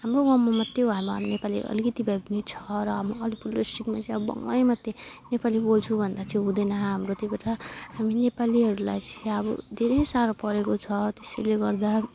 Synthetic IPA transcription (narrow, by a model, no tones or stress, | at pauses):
ɦamroɡʌmːomʌt̪ːebʱaemʌa̰mnepalḭʔʌ̰likʌt̪ibʱabinit͡sʰʌ̥ɾʌɦamiʌlipulːosʈikmat͡sʌĩʌbʌbʌ̰ŋajmʌt̪ːenepalibolt͡sʰubʱʌnd̪at͡sʰĩɦũd̪ʌnʌɦamrot̪ebaʈahaminepaliɦʌɾula̰jt͡siʌbʌ̰d̪ʱeɾʌjsaɾopʌɾekot͡sʰʌt̪eseleɡʌrd̪a